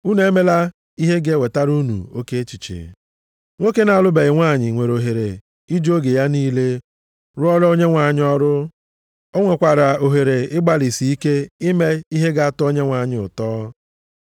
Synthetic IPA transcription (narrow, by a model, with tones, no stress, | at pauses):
u˦ne˨˦me˦la˦ | i˦ɦe˦ɡe˦we˨ta˦ɾu˦nṵ˨o˦ke˦t͡ʃi˨t͡ʃḛ˨ | ŋʷo˦ke˦na˨a˨lʊ˦be˨ɪ˨ŋʷa˦˨ɲɪ˨ŋʷe˨ɾo˨ɦe˨ɾe˨ | i˦d͡ʒo˦ɡe˨ja˦niː˦le˦ | ɾʊ˦ɔ˦ɾo˦ɲe˦ŋʷa˨ɲ˦ɔ˦ɾʊ˦ | o˦ŋʷe˨kʷa˨ɾa˨o˨ɦe˨ɾe˨ɪ˦ɡ͡ba˦li˨si˨i˦ke˦i˦me˦i˦ɦe˦ɡa˨a˦to˦ɲe˦ŋʷa˨ɲɪ˦ʊ̰˨tɔː˦